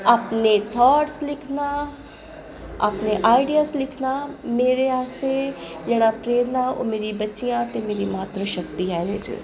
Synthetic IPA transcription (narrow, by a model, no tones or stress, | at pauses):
aːpnet̪ʰɔːʈslɪkʰna | aːpneʔaːɪɖijaːslɪkʰnameːɾeaːse | d͡ʒeːɽ̃apɾeːɾnao̰ːmeːɾibɐtːʃijãt̪emeːɾimaːt̪ɾəʃəkt̪iaːɾeːd͡ʒḭ